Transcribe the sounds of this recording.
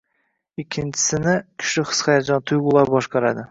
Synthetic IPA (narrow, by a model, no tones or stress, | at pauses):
ɪkʲʰːɪnt͡ʃʰɪ̥sɪnɪkʲʰʊ̥ʃɪχɨ̥sχɑjd͡ʒɒnt̪ʰʊjɡʊlˠaɾbɒʃqɑɾad̪ɪ